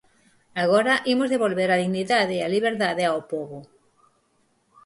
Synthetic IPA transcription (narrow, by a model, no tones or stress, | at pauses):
aɣ̞oɾaʔimozðeβolβeɾaðiɣniðaðeːaliβeɾðaðeawpoβʊ